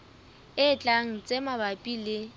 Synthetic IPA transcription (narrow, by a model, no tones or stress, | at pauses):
ɪt͡ɬʼaŋ̩t͡sʼemabapʼilɪ